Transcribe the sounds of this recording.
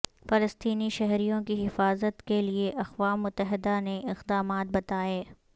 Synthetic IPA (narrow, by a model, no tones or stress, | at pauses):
fɐləst̪iːniʃɛɦɾijõkiɦɪfaːzət̪kelieʔɐxʋaːʊt̪ːəɦɪd̪aneʔɪqd̪aːmaːt̪̚bɐt̪aːeː